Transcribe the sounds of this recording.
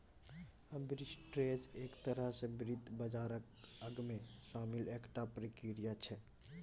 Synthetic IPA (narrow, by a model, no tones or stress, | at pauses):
əmbɾisʈɾeseːkt̪əɾəɦsebɾid̪ʱbəd͡ʒaːɾək | əɡmẽʃaːmileːkʈapɾekiɾijat͡ʃʰɛ